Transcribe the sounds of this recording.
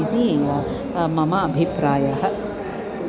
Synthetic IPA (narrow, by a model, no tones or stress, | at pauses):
id̪i | mɐmɐːbʱipɾaːjɐɦɐ̆